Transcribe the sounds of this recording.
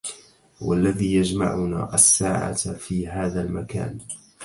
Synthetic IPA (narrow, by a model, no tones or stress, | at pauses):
wa̰lːaðiːjad͡ʒma̰ʕʊna̰ːʔasːaːʕa̰fiːɦaːðalmaka̰ːn